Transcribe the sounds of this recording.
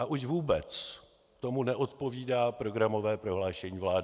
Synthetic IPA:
ʔaʔuʒvuːbɛt͡s | t̪o̞munɛʔo̞t̪po̞viːdaːpɾo̞ɡɾamo̞vɛːpɾo̞ɦlaːʃɛɲiːvlaːdɪ

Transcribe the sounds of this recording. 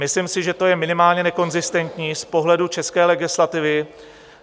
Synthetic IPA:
mɪslɪmsɪʒɛt̪o̞jɛmɪnɪmaːlɲɛnɛko̞nzɪst̪ɛnt̪ɲiːspo̞ɦlɛdut͡ʃɛskɛːlɛɡɪslat̪ɪvɪ

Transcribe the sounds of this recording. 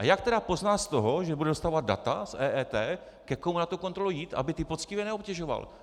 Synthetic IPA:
ʔajak̚t̪ɛɾapo̞znaːst̪o̞ɦo̞ʒɛbudɛdost̪aːvad̪̚da̰t̪asʔɛːɛːt̪ɛː | kɛkomunat̪uko̞nt̪ɾolujiːt̪ʔa̰bɪt̪ɪpot͡scɪvjɛnɛo̞pcɛʒo̞va̰l

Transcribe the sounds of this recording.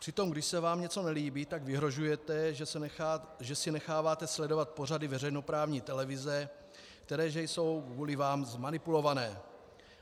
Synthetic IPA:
pr̝̥ɪt̪o̞mɡdɪʃsɛvaːmɲɛt͡so̞nɛliːbiːt̪aɡvɪɦɾo̞ʒujɛt̪ɛ | ʒɛsɪnɛxaːvaːt̪ɛslɛdo̞vat̪̚po̞r̝adɪvɛrɛjno̞pɾaːvɲiːt̪ɛlɛvɪzɛ | kt̪ɛɾɛːʒɛjso̞wkvuːlɪvaːmzmanɪpulo̞vanɛː

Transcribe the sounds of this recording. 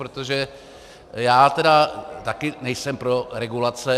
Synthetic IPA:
ɾot̪oʒɛ | jaːt̪ɛdat̪akɪnɛjsɛmpɾo̞ɾɛɡulat͡sɛ

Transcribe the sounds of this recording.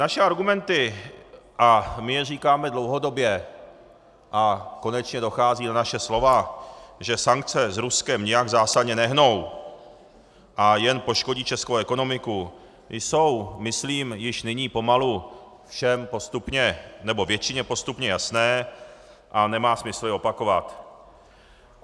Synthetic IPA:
naʃɛaɾɡumɛnt̪ɪ | ʔamɪjɛriːkaːmɛdlowɦo̞do̞bjɛ | ʔako̞nɛt͡ʃɲɛdo̞xaːziːnanaʃɛslo̞vaʒɛsaŋkt͡sɛzɾuskɛmɲɪjaɡzaːsadɲɛnɛɦno̞w | ʔajɛnpo̞ʃko̞ɟiːt͡ʃɛskowɛko̞no̞mɪku | jso̞wmɪsliːmjɪʃnɪɲiːpo̞malu | fʃɛmpo̞st̪upɲɛnɛbo̞vjɛt͡ʃɪɲɛpo̞st̪upɲɛjasnɛː | ʔanɛmaːsmɪsl̩ɪo̞pako̞vat̪

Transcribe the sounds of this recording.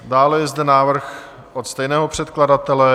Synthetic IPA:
daːlɛjɛzdɛnaːvr̩x | ʔot̪st̪ɛjnɛːɦo̞pr̝̥ɛt̪kladat̪ɛlɛ

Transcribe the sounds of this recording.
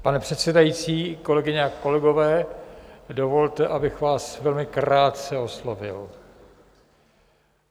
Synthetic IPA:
panɛpr̝̥ɛt̪sɛdajiːt͡siːko̞lɛɡɪɲɛako̞lɛɡo̞vɛː | do̞vo̞lt̪ɛʔabɪxvaːsvɛlmɪkɾaːt̪̚t͡sɛo̞slo̞vɪ̰l

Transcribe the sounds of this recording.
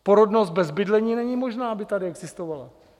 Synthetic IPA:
po̞ɾodnost̪̚bɛzbɪdlɛɲiːnɛɲiːmo̞ʒnaːabɪt̪adɪɛɡzɪst̪ovala

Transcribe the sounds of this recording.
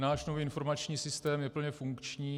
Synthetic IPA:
naːʃnoviːɪnfo̞ɾmat͡ʃɲiːsɪst̪ɛːmjɛpl̩ɲɛfuŋkt͡ʃɲiː

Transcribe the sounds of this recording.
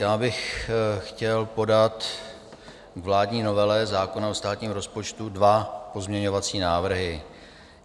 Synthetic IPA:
jaːbɪxxcɛlpo̞dat̪ | ɡvlaːdɲiːno̞vɛlɛzaːkonaost̪aːt̪ɲiːmɾo̞spot͡ʃt̪udvapo̞zmɲɛɲovat͡siːnaːvr̩ɦɪ

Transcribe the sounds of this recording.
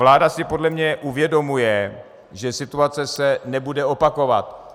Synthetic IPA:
laːdasɪpo̞dlɛmɲɛʔuvjɛdo̞mujɛ | ʒɛsɪt̪uat͡sɛsɛnɛbudɛo̞pako̞vat̪̚

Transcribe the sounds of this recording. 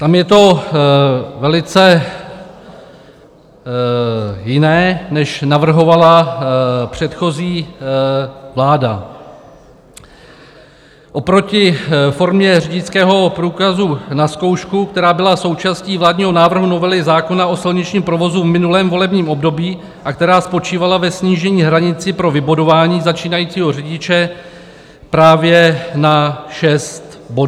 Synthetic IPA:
t̪amjɛt̪o̞ | vɛlɪt͡sɛ | jɪnɛːnɛʃnavr̩ɦo̞vala | pr̝̥ɛt̪xo̞ziː | vlaːda̰ | ʔo̞pɾo̞cɪfo̞ɾmɲɛrɪɟɪt͡skɛːɦo̞pɾuːkazunasko̞wʃkukt̪ɛɾaːbɪlaso̞wt͡ʃaːsciːvlaːdɲiːɦo̞naːvr̩ɦuno̞vɛlɪzaːko̞nao̞sɪlɲɪt͡ʃɲiːmpɾo̞vo̞zuvmɪnulɛːmvo̞lɛbɲiːmʔo̞bdo̞biː | ʔak̚t̪ɛɾaːspo̞t͡ʃiːvalavɛsɲiːʒɛɲiːɦɾaɲɪt͡sɪpɾo̞vɪbodovaːɲiːzat͡ʃiːnajiːt͡siːɦo̞rɪɟɪt͡ʃɛ | pɾaːvjɛnaʃɛst̪ | bo

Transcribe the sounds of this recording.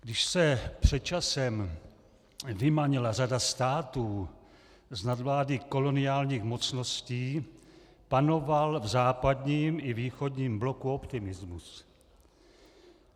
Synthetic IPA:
ɡ̥dɪʃsɛpr̝̥ɛt̪̚t͡ʃasɛm | vɪmaɲɛlar̝adast̪aːt̪uː | znad̪vlaːdɪko̞lo̞nɪjaːlɲiːxmo̞t͡sno̞sciː | pano̞valvzaːpadɲiːmɪviːxo̞dɲiːmblo̞kuo̞pt̪ɪmɪzmus

